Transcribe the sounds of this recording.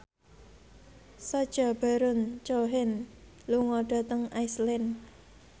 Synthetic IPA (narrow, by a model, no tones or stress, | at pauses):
sɔd̥ʒ̥ab̥a̤ɾʊnt͡ʃoɦɪn | luŋɔɖ̥a̤t̪əŋaislɪn